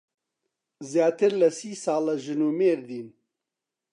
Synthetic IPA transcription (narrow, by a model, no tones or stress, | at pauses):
zjaːt̪ɨɾlɐsiːsaːlɐʒɨnuːmeːɾd̪iːn